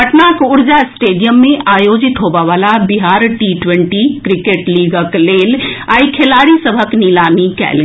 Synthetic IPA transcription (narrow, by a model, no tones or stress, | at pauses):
ɐʈnakʊɽd͡ʒasʈeːɖijəmːẽʔaːjoːd͡ʒɪt̪ɦoːʋaʋaːlabiɦaːɾʈiʈʋẽɳʈikɾɪkeːʈliːɡəkleːlaːikʰelaːɾisɐbʱəknilaːmikɛ̰ːl